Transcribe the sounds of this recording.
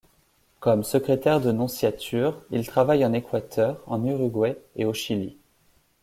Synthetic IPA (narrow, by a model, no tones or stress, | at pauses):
kɔmsəkχet̪ɛʁd̪ənɔ̃sjat̪ʰyʁilt̪χavajɑ̃nekwat̪ʰœʁɑ̰̃nyʁyɡwɛeoʃilḭ